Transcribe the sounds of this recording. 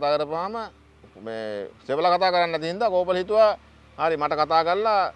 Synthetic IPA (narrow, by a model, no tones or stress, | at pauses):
t̪aːkəɾəpaːmə | mḛːseʋəlakat̪aːkəɾanːɐt̪̬iɦind̪aːkoːpəlɦit̪uʋa | haɾimaʈəkat̪aːkəɾla